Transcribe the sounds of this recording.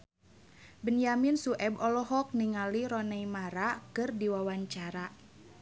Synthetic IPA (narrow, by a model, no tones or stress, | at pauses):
bənjaminsuʔɛbɔlɔɦɔk̚niŋaliɾɔnɛimaɾakɨrdiwawaɲt͡ʃaɾa